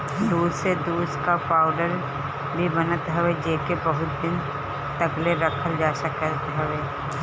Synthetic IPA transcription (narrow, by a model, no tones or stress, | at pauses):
d̪uːsed̪uːskapaːʊɖəɾ | libənət̪ɦɛʋed͡ʒeːkebəɦʊt̪̚d̪ɪn | t̪əɡleɾəkʰəld͡ʒaːsakəət̪ɦɛʋeː